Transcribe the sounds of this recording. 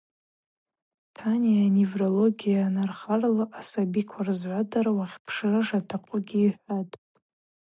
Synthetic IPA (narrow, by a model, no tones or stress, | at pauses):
tʰanijanevrolo̞ɡʲijanarχarlaʔasabikʷʰarzʕʷadarawaχʲpʰʂrɨʐatʰaqʷʼʊɡʲiːħʷatʼ